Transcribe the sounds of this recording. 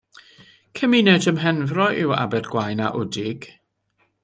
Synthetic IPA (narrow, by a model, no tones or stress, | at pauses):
kʰəminɛdəmɦɛnvrɔʔɪwa̰bɛdɡwajna̰ʔʊdɪɡ̥